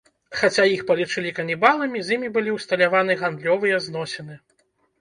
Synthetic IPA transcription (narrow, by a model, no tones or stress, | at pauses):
xat͡sʲajixpɐlʲit͡ʂɨlʲikɐnʲibalˠɐmʲizʲjimʲibɨlʲiwst̪ɐlʲavanɨɣand̪lʲɔvɨjɐznɔsʲɛnɨ